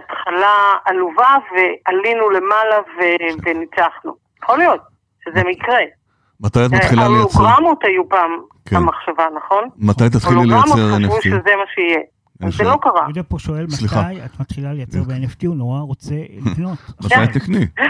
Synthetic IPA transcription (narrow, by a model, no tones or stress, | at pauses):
atχalaaluvavealinule̞malavevenit͡saχnṵ | jaχolijo̞t̚ | ʃezemikʁe | mat̪ajat̪maχillalejaoʁamotajupaːm | kʰeamaχʃavanɐχo̞nmat̪ajt̪at̪χiiejamt͡seʁaenevfuʃezemaʃeije | enzelo̞kaʁa̰jodeapoʃo̞e̞lmasliχajat̪mat̪χilalejat͡seʁbeeneftiunoʁaʁot͡selikno̞tmatajat̪nikni